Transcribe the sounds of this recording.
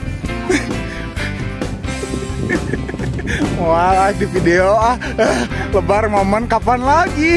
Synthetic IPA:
moaadifideoahəhləbarmamankapanlaɡi

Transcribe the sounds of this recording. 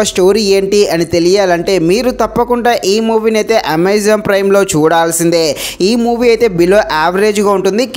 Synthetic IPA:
ɐsʈo̞ːɾiːe̞ːɳʈiːɐnit̪e̞lijaːlɐɳʈe̞ːmiːɾut̪ɐpːɐkuɳɖaːʔiːmuːʋinɐjt̪e̞ːʔɐmejd͡ʒɐmpɾɐjmlo̞ːt͡ʃuːɽaːlɐsind̪eːiːmuːʋiːɐjt̪e̞ːbiloːʔaːʋɐɾe̞ːd͡ʒɡaːuɳʈund̪ik

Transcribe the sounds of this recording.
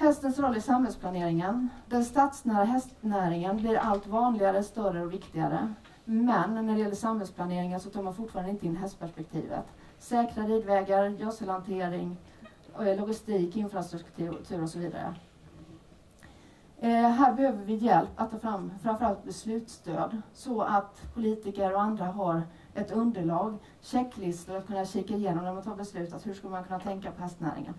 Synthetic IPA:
hɛst̪ənsɾɔlːəɪsamhɛlspʰlaneːɾɪŋənd̪ɛnst̪aːt̪snæːɾaɦɛst̪næːɾɪŋənblɪɾʔalt̪vɑːnlɪɡaɾəst̪œrəɔvɪkt̪ɪɡa̰ɾə̰ | mɛnːæɖɛjɛlːəʂamhɛlsplaneːɾɪŋənsɔt̪ʰɑːɾmanfʊʈːfɑːɾand̪əɪnəɪnɦɛst̪pæʂpɛk̚t̪ʰḭːvə̰t̪ | sɛːkɾaɾiːd̪vɛːɡaɾjɔsəlant̪ʰeːɾɪŋ | lʊɡɪst̪iːkɪnfɾast̪ɾɵkt̪ʰːt̪ʰʉ̟ːɾɔsɔviːd̪a̰ɾə̰ | ɦæːɾbɛhøːvəɾvɪjɛlpːat̪ʰːɑːfɾamfɾamfœɾalt̪̚bɛslʉ̟ːt̪st̪ø̰ːd̪sɔat̪pʰʊliːt̪ɪkəɾɔand̪ɾaɦaɾ | ʔɛt̪ɵnd̪əɭɑːɡ | ɕɛkːlɪst̪əɾat̪̚kʰɵnːaɕiːkaɪjeːnɔmnæmant̪ʰɑːbɛslʉ̟ːt̪at̪hɵʂkɵlːəmankʰɵnːat̪ʰɛŋkapʰɔɦɛst̪næ̰ːɾɪ̰ŋə̰n

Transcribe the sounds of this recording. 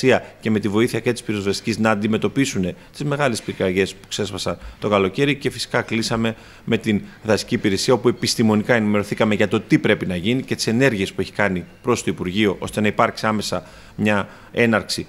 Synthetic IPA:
iɐce̞me̞t̪ivo̞iθiɐcet̪ispiɾozðɐsi̥ciznɐːnd̪ime̞t̪o̞pisune̞t̪izme̞ɣɐlespikɾɐʝe̞spu̥kse̞spɐsɐnt̪o̞kɐlo̞ce̞ɾice̞fi̥si̥kɐklisɐme̞ | me̞t̪inðɐsi̥ciːpiɾe̞siɐopue̞pist̪imo̞nikɐenime̞ɾo̞θikɐme̞ʝɐt̪o̞t̪ipɾe̞pinɐʝinicet̪i̥se̞ne̞ɾʝie̞spue̞çi̥kɐnipɾo̞st̪o̞ipuɾʝio̞ʔo̞st̪e̞nɐipɐɾksiɐme̞sɐ | mɲɐ | e̞nɐɾksi

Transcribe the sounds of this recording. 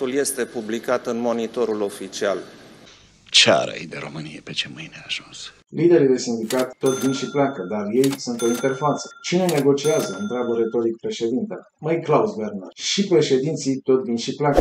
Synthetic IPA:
ulje̞st̪e̞publikat̪ɨnmo̞nit̪o̞ɾulo̞fit͡ʃial | t͡ʃea̰ɾa̰jd̪eɾo̞̰mɨnijepet͡ʃemɨjneaʒ̥uns | lid̪e̞ɾid̪e̞sind̪ikat̪ːo̞t̪vinʃipleakəd̪arje̞jsunt̪o̞int̪erfat̪sə̥t͡ʃine̞ne̞ɡo̞t͡ʃiazəɨnt̪ɾad̪uɾe̞t̪o̞ɾik̚pɾe̞ʃe̞d̪int̪ḛ | majklausvernarʃipɾe̞ʃe̞d̪int̪sijt̪o̞t̪vinʃiplakə

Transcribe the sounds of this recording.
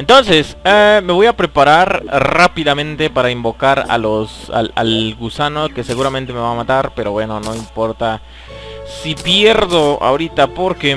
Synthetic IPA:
ent̪o̞nse̞s | ame̞βo̞japɾe̞paɾaɾrapiðamẽ̞nt̪e̞paɾaimbo̞kaɾa̰losa̰la̰lɣusano̞kese̞ɣuɾament̪e̞me̞βamat̪aɾpe̞ɾo̞βwe̞no̞no̞impo̞ɾt̪a | sipje̞ɾðo̞a̰oɾit̪apo̞ɾke

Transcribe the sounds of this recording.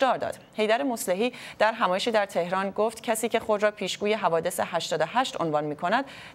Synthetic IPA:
d̪ɒːɾd̪ɒ̰ːd̪̥ | he̞jd̪æɾemosle̞ɦiːd̪̥æɾɦæmɒːjeʃiːd̪æɾt̪ʰe̞hɾɒːnɡoft̪cʰæsiːce̞xo̞d̪ɾɒːpʰiːʃɡ̥uːje̞ɦævɒːd̪e̞sehæʃt̪ɒːd̪ohæʃt̪o̞nvɒnmiːkʰo̞næd̪̥

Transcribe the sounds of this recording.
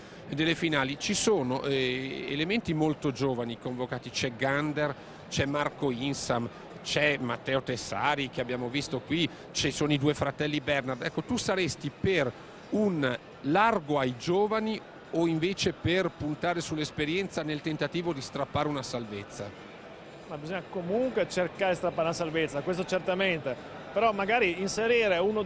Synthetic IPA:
d̪elːefinaːlit͡ʃisoːnoʔɛḛlement̪imolt̪od͡ʒoːvanikoɱvokaːt̪it͡ʃɛɡand̪er | t͡ʃɛmːarkoinsam | t͡ʃɛmat̪ːɛːot̪esaːɾik̟eabːjaːmovist̪okwi | t͡ʃesoːnoid̪uːefɾat̪ɛlːibɛrnard̪ɛkːot̪usaɾest̪iper | un | larɡoajd͡ʒoːvani | oiɱveːt͡ʃeperpunt̪aːɾesulːespeɾjɛnt̪sanelt̪ent̪at̪iːvod̪ist̪ɾapːaːɾeunasalvet̪sːa̰ | mabizoɲːakomuŋkwet͡ʃerkaːɾeist̪ɾapːaɾunasalvet̪sːakwes̬t̪ot͡ʃert̪ament̪e | peɾɔmaɡaːɾiinseɾiːɾeuno

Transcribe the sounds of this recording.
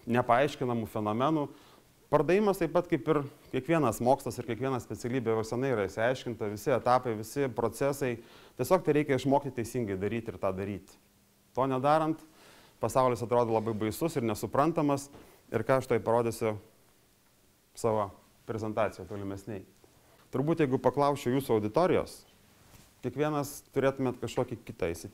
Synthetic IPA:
nʲɛpɐɐɪʃʲkʲɪnɐmufʲɛnoːmʲɛnuː | pɐɾd̪ɐʋʲjʲɪmɐst̪ɐɪpɐt̪kɐɪpɪrkʲiɛkʋʲiɛnɐsmoːkslˠɐsɪrkʲiɛkʋʲiɛnɐsʲpʲɛt͡sʲɛlʲiːbʲejosʲɛnɐɪiɾɐɪʃsʲɪɐɪʃʲkʲɪnt̪ɐʋʲɪsʲɪɛt̪ɑːpɐɪʋʲɪsʲɪpɾoːt͡s̪ʲɛsɐɪt̪ʲiɛsʲoːk̚t̪ɐɪɾʲɛɪkʲɛɪʃmoːkʲɪt̪ʲt̪ʲɛɪsʲɪŋɡɐɪd̪ɐɾʲiːt̪ʲɪrt̪ɑːd̪ɐɾʲiːt̪ʲ | t̪oːnʲɛd̪ɑːɾɐnt̪ | pɐsɑʊlʲɪsɐt̪ɾoːd̪oːlˠɐbɐɪbɐɪsʊsɪɾnʲɛsʊpɾɐnt̪ɐmɐs | ɪ̰ɾkɑːɐʃt̪oːjpɐɾoːd̪ʲesʲʊ | sɑːʋoː | pʲɾʲɛzʲɛnt̪ɑːt͡sʲɪjoːt̪oːlʲɪmʲɛsʲnʲɛɪ | t̪ʊɾbuːt̪jɛɪɡʊpɐklˠɐʊsʲt͡ʃʲɛʊjuːsʊɐʊd̪ʲɪt̪oːɾʲɪjo̰ːs | kʲiɛkʋʲiɛnɐst̪ʊɾʲeːt̪ʊmʲeːt̪kɐʃkoːkʲɪkʲɪt̪ɐɪʃsʲɪ

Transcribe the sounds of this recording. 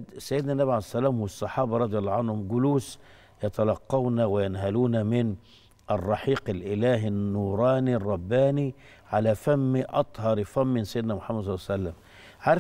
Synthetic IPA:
sæjːɪd̪næʔnːæbiʕalsːælæːmhʊwsˤːɑħɑːbɑɾˤɑd̪ˤjɑlˤːɑʕanhʊmɡʊluːs | jɑt̪ælɑqːɑwnæwɪjanɦæluːnæmɪn | ʔɑrˤːɑħiːqɪlʔɪlæːɦɪnːuːɾˤɑːnirˤːɑbːaːni | ʕalæfæmːiʔɑt̪ˤhɑɾˤfæmːɪnsæjɪd̪næmʊħamːæd̪ˤsˤɑlˤːɑːsælːæm | ʕaɾˤ

